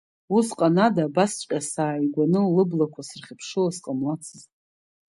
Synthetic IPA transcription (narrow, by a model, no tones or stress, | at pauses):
usqʼanadaːbast͡ʃʷʼqʲʼasaːiɡʷanɨlɨblakʷʰasɨrχʲɪpʰʂɨlasqʼamlat͡sʰɨztʼ